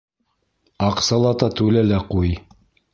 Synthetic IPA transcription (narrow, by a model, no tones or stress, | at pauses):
ɑqsɑlˠɑt̪ɑt̪ʉlælæquj